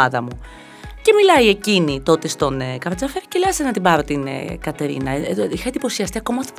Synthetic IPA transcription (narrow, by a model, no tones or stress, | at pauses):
ɐðɐmu | ce̞milɐie̞cinit̪o̞t̪e̞st̪o̞nekɐɾɐt͡sɐfeɾi̥celɐsenɐt̪ibɐɾo̞t̪in̰kɐt̪e̞ɾḭnɐixɐend̪ipo̞siɐst̪iɐko̞mɐot̪